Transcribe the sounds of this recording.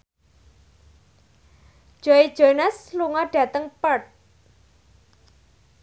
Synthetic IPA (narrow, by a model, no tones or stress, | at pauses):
ʒ̥ɔid̥ʒ̥onəsluŋɔɖ̥ä̤t̪əŋpət̪̚